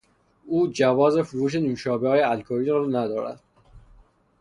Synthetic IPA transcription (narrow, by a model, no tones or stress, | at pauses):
uːd͡ʒævɒːze̞fuɾuːʃ̬e̞nuːʃɒːbehɒːjeælkʰoɾiːɾɒːnæd̪ɒːɾæ̰d̪̥